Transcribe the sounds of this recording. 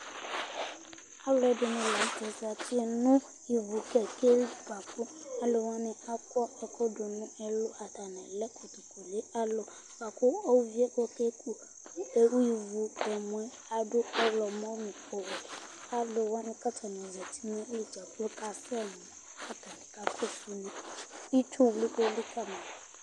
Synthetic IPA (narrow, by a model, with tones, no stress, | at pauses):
a˦wlɔ˦˨ɛ˦de˨nʊ̃˨˦la˨˦tɛ˨za˨ti˦ɛ˦nʊ̃˦ | ji˨vu˨kɛ˨ke˦i˦ka˨ku˦a˦lo˨wa˦nɪ̃˨a˦kɔ˦ɛ˨kʰɔ˦dʊ˨nũ˦ɛ˨lo˦a˨t̪a˨nɛ̃˨lɛ˦kʰo˨t̪u˨ko˨le˦a˦lo˨ | ka˨kʊ˦o˦vi˦ɛ˦kɔ˦ke˦ku˦ | e˦wi˨vu˨ɛ˨mũ˨ɛ˦ | a˨dʊ˦ɔ˦lɔ˨mɔ̃˦mĩ˨ko˨wɔ˨ | a˦lo˨wa˦nɪ̃˦ka˦tʰa˨n˨ɔ˨zɛ˨tʰi̥˦mɛ̃˦o˦li˨d͡ʒa˨klo˦ka˦fɛ˦lʊ˨˦a˦ta˨nɛ̃˨ka˦pʰo˦su˦nĩ˦i˦tʰu˦wli˦ko˦li˦ka˦mã˨